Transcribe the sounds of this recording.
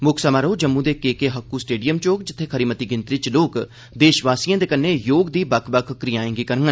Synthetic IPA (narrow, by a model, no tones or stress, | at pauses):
mʊkʰsəmaːɾoːd͡ʒəmːũːd̪eːkeːkeːɦəkːuːsʈeːɖijəmt͡ʃoːkd͡ʒɪt̪ʰːeːkʰəɾiːmət̪iːɡɪnt̪ɾit͡ʃloːk | d̪eːʃʋaːsijãːd̪eːkənːeːjoːɡd̪iːbəkʰbəkʰːɾɪjaːẽːŋɡiːkəɾŋɡə